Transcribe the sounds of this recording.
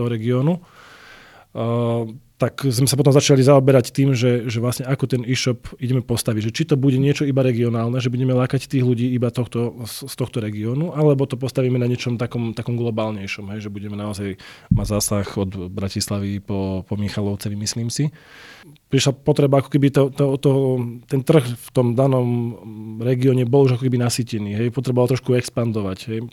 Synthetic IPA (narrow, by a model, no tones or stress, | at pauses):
ɔɦɔɾɛɡiɔnu | t̪akzmɛsapɔt̪ɔmzat͡ʃalizaɔbɛɾact̪iːmʒɛʒɛʋlasɲɛakɔt̪ɛniʃɔpiɟɛmɛpɔst̪aʋiɟʒɛt͡ʃit̪ɔbuɟɛɲɪɛt͡ʃɔibaɾɛɡiɔnaːlnɛʒɛbuɟɛmɛlaːkact̪iːɣluɟiːibat̪ɔxt̪ɔsst̪ɔxt̪ɔɾɛɡiɔːnuʔalɛbɔt̪ɔp̬ɔst̪aʋiːmɛnaɲɪɛt͡ʃɔmt̪akɔmt̪akɔmɡlɔbaːlɲɛjʃɔmɦɛjʒɛbuɟɛmɛnaɔzajmaɟzaːsaxɔd̪bɾacislaʋipɔpɔmixalɔʊt͡sɛʋimisliːmsi | pɾiʃlapɔt̪ɾɛbaakɔ̥kɛbit̪ɔt̪ɔt̪ɔɦɔt̪ɛnt̪r̩xft̪ɔmd̪anɔmɾɛɡiɔɲɛbɔluʒakɔkɛbinasiːcɛniːɦɛjpɔt̪ɾɛbɔʋalt̪ɾɔʃkuɛkspand̪ɔʋaɟɦɛj